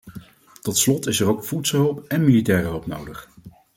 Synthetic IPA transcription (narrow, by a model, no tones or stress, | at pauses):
tɔtslɔtɪsɛrowkfutsəlˠɦɵlˠpɛnmilitɛːrəɦɵlˠpnowdəχ